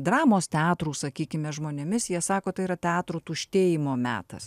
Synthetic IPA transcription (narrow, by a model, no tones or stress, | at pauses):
d̪ɾɑːmoːst̪ʲɛɑːt̪ɾuːsɐkʲiːkʲɪmʲɛʒmoːnʲemʲɪsjiɛsɑːkoːt̪ɐɪiɾɐt̪ʲɛɑːt̪ɾut̪uːʃʲt̪ʲeːjɪmoːmʲæ̰ːt̪ɐ̰s